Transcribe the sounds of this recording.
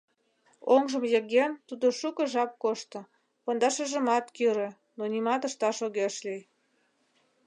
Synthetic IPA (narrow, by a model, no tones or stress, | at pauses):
oŋʒəmjeɣent̪ud̪oʃukə̆ʒɑp̚koʃt̪ɤ̆ | pond̪ɑʃə̆ʒə̆mɑt̪kyɾĕ | nonimɑt̪əʃt̪ɑʃoɣeʃlij